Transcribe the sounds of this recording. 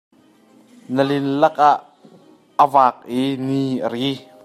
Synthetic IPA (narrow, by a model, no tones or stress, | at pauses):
nəlinlɐk̚ʔaʔː | əvaːk̚ʔiniːʔəɾi